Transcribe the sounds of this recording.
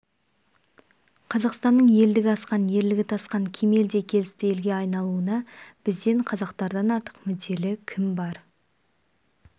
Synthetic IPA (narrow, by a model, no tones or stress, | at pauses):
qʰɑzɑqst̪ɑnːəɴje̞ld̪ɪɡʲɪɑsqɑnje̞ɾlɪɡʲɪt̪ʰɑsqɑŋkʲʰe̞me̞ld̪e̞kʲʰe̞lɪst̪ɪje̞lɡʲe̞ɑjnɑlˠuənɑb̥ɪzd̪e̞ɴqʰɑzɑqt̪ɑɾd̪ɑnɑɾt̪ə̥qmʏd̪e̞lɪkʲʰɪmbɑɾ